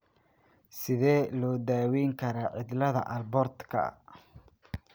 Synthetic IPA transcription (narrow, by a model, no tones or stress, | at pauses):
sɪðɛːlɔːd̪aːwɛjŋkʰɐɾaʕɪd̪lɐðɐ̰ʔɐlbɔrd̪kʰɐ̰